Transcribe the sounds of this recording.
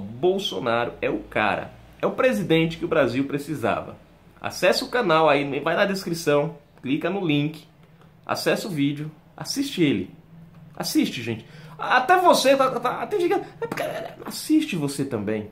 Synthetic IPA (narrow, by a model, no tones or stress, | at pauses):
bowsonaɾʊɛʊka̰ɾɐ̰ | ɛʊpɾezid̪ẽnt͡ʃɪ̥kɪʊbɾaziwpɾesiza̰vɐ̰ | a̰sɛsɪʊkãnawainvajnɐd̪eskɾisɐ̃w̃ | klikɐnʊlĩkɪ̥ | a̰sɛsʊvid͡ʒʊ | a̰siʃt͡ʃɪelɪ̰a̰siʃt͡ʃɪʒẽnt͡ʃɪ̥at̪ɛvoset̪at̪aat̪ẽd͡ʒiɡɐ̃d̪ɛpʊkeɛasiʃt͡ʃɪvoset̪ɐ̃mbẽj̃